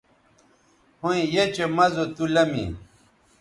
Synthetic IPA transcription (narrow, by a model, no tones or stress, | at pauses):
hoĩjet͡ɕemɐzot̪ulɐmḭ